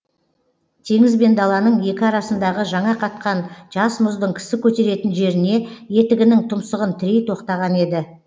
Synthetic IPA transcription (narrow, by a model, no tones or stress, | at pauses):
t̪ʰe̞ŋɪzbe̞nd̪ɑlˠɑnəɴje̞kʲɪɑɾɑsənd̪ɑʁəʒɑɴɑqʰɑt̪̚qɑnʒ̥ɑsmʊzd̪əɴkʲʰɪ̥sɪkʲʰɵt̪e̞ɾe̞t̪ɪnʒe̞ɾɪne̞je̞t̪ɪɡʲɪnɪŋt̪ʰʊmsəʁənt̪ʰɪɾe̞jt̪ʰo̞qt̪ɑʁɑne̞d̪ɪ